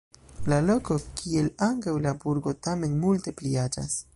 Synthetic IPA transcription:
lalo̞ko̞kʰie̞laŋkawlabuɾɡo̞tame̞nmulte̞pliad͡ʒa̰s

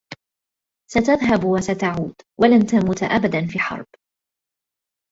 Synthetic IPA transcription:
sat̪aðɦabwasat̪aʕuːd̪walant̪amuːt̪aʔabad̪anfiːħɑ̰ɾˤb

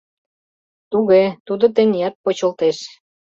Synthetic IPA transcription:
t̪uɣet̪ud̪ŏt̪̬enʲijɑt̪̚pot͡ɕə̆lt̪eʃ

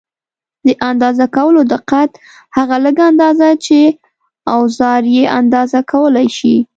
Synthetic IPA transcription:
d̪əʔand̪ɑzakawəlod̪ɪqat̪ | haɣaləɡand̪ɑzat͡ʃe | awzɑɾjeʔand̪ɑzakʰawəlajʃi

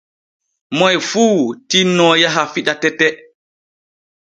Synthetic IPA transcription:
mɔjfuːtinːɔjaɦafiɗatɛtɛ

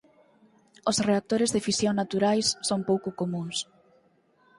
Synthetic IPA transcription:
ʊsreak̚t̪oɾɪzðɪfisjoŋnat̪uɾajsːoŋpowkʊkomũŋs

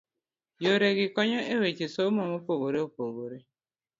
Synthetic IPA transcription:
joɾeɡɪkɔɲɔʔewet͡ʃesomɔmopoɣoɾeopoɣoɾe

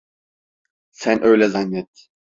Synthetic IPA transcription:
sænʔøjlɛzanːɛt̪̚

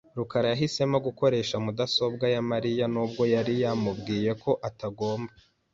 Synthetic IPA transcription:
ɾukaɾajaɦise̞moɡuko̞ɾe̞ːʃamudaso̞bɡajamaɾijanuːbɡo̞jaɾijaːmub̚ɡiːje̞kʰo̞ʔataɡo̞ːmba

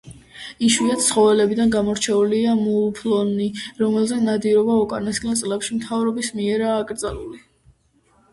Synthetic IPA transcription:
iʃwiat̪sʰχɔvɛlɛbid̪anɡamɔɾt͡ʃʰɛuliamulˠpʰlˠɔniɾɔmɛlˠzɛnad̪iɾɔbaɔkʼanɛskʼlɛnt̪sʼlɛpʃimt̪ʰavɾɔbismiɛɾaːkʼɾd̪zaluli

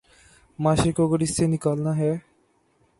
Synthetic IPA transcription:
maːʃekoɡəɾɪsːenɪkaːlnaɦɛː

